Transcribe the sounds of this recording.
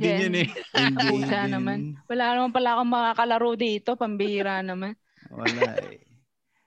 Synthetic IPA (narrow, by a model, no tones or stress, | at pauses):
j̪ɪɛɐnɛɐpuːsanɐmanwɐlaːnɐmanpɐlaʔɐkoŋmɐŋakɐlɐɾod̪iːɪt̪o̞pɐmbiːɾanɐman | wɐ̰la̰